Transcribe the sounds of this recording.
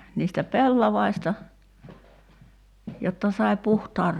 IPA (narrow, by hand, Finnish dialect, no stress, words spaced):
niːstæ pelːɑʋɑistɑ jotːɑ sɑi̞ puhtɑːr